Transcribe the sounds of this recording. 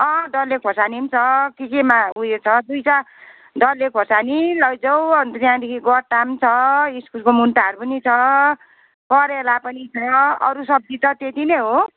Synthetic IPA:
ʌ̃ɖʌlːekʰosanimt͡sʰʌkikemaujet͡sʰʌd̪ujt͡sa | ɖʌlːekʰosanilʌjd͡zʌwʌnd̪ijãd̪ekʰiɡɔɾʈamt͡sʰʌiskulkomunt̪aɦʌɾupʌnit͡sʰʌ | kʌɾelapʌnit͡sʰʌʌɾusʌb̚dit̪ʌt̪et̪ineɦo

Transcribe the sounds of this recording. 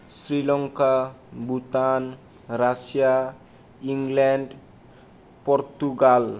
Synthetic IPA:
sɾilɔŋkabut̪an | rasia | iŋɡlɛnd | pɔɾt̪uɡal

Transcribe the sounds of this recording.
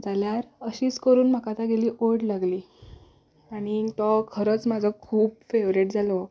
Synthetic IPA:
d͡zaljaɾəɕiːt͡skəɾuːnm̤akat̪aɡeliːʔoɾɽlaɡliː | aɽ̃it̪ɔkʰəɾət͡smad͡zʱɔkʰuːbfeʋɾeʈd͡zʱalɔ

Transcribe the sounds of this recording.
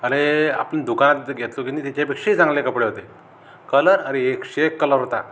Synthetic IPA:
əɾea̰pənd̪ukanat̪ɡʱet̪lokinit̪at͡ɕjapekʂeit͡sãŋɡlekəpɽeɦot̪e | kələɾəɾeekɕekːələɾt̪a̰

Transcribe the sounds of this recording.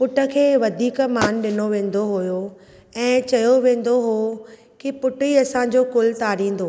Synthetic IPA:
pʊʈə̆kʰeːʋɐd̪ʱiːkmaːnɗɪnoʋẽːnd̪oɦʊjo | ɛ̃ːt͡ɕɐjoʋẽːn̆d̪oɦo | kipʊʈiɐsãːɲd͡ʑokʊlt̪aːɾĩːnd̪oː

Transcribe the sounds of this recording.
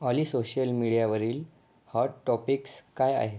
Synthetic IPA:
alisoɕəlmiɽijaʋəɾiːl | haɖʈɔpikskaja̰ɦe

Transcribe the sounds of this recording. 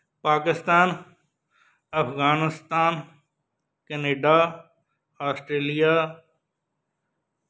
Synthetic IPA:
paːkɪst̪aːn | ɐpɣaːnɪst̪aːn | keneːɖaː | aːsʈɾeːlijaː

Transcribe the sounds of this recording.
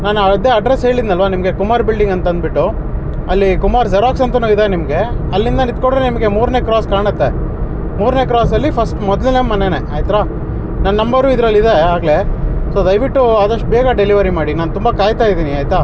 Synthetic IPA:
naːnɐd̪eɐɖɾesɦe̞ːɭid̪nɐlʋanimɐɡe̞kumaːɾbilɖiŋɡɐnt̪ɐnd̪̚biʈːu | ɐlːikumaːɾsɐɾaːksɐnt̪ɐnuid̪enimɐɡe̞ | ɐlːind̪ɐnid̪̚koɽɾenimɐɡe̞muːɾne̞kɾaːskaːɳɐt̪ːe̞ | muːɾne̞kɾaːsɐlːipʰɐsʈmɔd̪linemɐnene̞ʔaːjt̪ɾaː | nɐnːɐmbɐɾuːid̪ɐɾɐlːid̪eaːɡle̞so̞ːd̪ɐjʋiʈːuaːd̪ɐʂʈ̚beːɡɐɖeliʋɐɾimaːɽinaːnt̪umbɐkaːjt̪aːjid̪iːniaːjt̪aː

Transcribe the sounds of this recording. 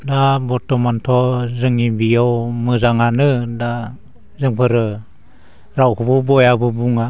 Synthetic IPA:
dabɔtɔmantʰɔzɯŋibijɔwmɯzaŋanɯda | zɯŋpʰɯɾɯ | ɾawkububɔjabɯbuŋa

